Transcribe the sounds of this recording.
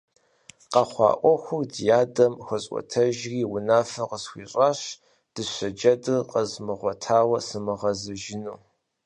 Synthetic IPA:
qɑχʷɑ̰ːʔʷɔxʷʊrdjaːdɐmxɐɕʼʷɔ̰tʰɐʒriːwʊnaːfɐqəsxʷiːɕʼaːɕ | d̥ɨɕʷɐd͡ʒɐdɨrqəzmɨʁʷɔtʰaːwɐsɨmɨʁɐzɨʒɪnuː

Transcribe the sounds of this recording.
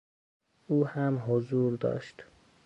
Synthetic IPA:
uːhæmɦozuːɾd̪ɒ̰ːʃt̪

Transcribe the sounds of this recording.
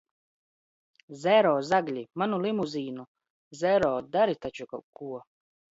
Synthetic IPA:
zɛɾɔːzaɡlʲimanulimuziːnu | zɛɾɔːd̪aɾit̪at͡ʃukakuɔ

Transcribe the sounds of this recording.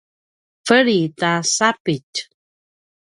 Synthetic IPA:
fəɭitasapic

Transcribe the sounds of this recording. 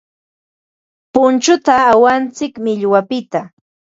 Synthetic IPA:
pʊnt͡ʃʊt̪aːwant͡sɪkmɪʎwapɪt̪a

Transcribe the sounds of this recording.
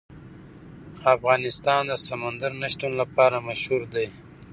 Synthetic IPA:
afɣɑːnɪst̪ɑːnd̪əsamand̪əɾnaʃt̪unlapɑːɾamaʃhuɾd̪ej

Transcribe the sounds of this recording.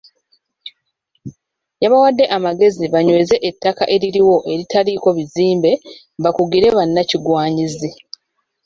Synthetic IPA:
jaβawadːe̞ʔamaɡe̞ziβaɲwe̞ːze̞ʔetːaka̰ʔe̞ɾiɾiwo̞ʔe̞ɾitaɾiko̞βiziːmbe̞ | bakuɡiɾe̞βanːaciɡwaːɲizi

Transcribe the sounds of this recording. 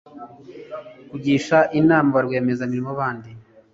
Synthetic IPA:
kuɟiːʃaʔinaːmaβaɾɡweːmezamiɾimoβaːndi

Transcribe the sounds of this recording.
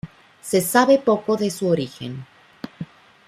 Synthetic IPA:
se̞saβe̞po̞ko̞ðesuoɾixḛn

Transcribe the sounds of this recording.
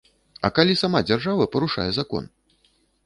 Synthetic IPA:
ɐ̰kalʲisamad͡zʲarʐavɐpɐɾuʂa̰jɛzakɔ̰n

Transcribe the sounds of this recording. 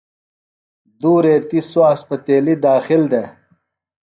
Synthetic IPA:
d̪uːɾeːt̪iswaːspɐt̪eːlid̪aːxild̪eː

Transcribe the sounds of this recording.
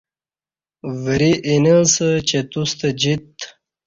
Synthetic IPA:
vəɾiʔinəsət͡ɕet̪ust̪əd͡ʑit̪

